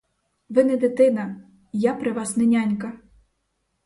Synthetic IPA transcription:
ʋɪnɛd̪ɪt̪ɪnɐ | japɾɪʋɑsnɪnʲanʲkɐ

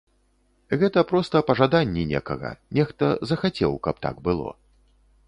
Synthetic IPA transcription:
ɣɛt̪ɐpɾɔst̪ɐpɐʐad̪anʲːinʲɛ̰kɐɣɐ̰nʲɛxt̪ɐzɐxat͡sʲɛwkɐpt̪a̰ɡ̚bɨlˠɔ̰

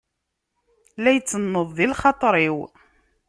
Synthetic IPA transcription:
læjət͡sːənːəðˤːilχɑt̪ˤɾˤiw

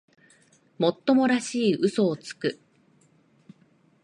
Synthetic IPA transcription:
mo̞t̪ːo̞mo̞ɾaɕiːʔɯso̞ːt͡sɨ̥kɯ̟

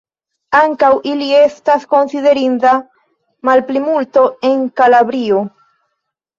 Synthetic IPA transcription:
aŋkawʔilie̞stasko̞nside̞ɾinda | malplimulto̞e̞ŋkalabɾio̞

